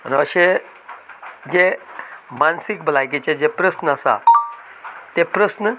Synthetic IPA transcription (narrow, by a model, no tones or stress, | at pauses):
ənəɕe | d͡ʑemansikbəlajkit͡sed͡ʑepɾəsnəasa̰ | t̪epɾəsnə